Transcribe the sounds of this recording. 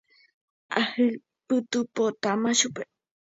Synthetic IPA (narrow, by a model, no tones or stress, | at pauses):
ahɨ | pɨt̪upot̪amaʃupe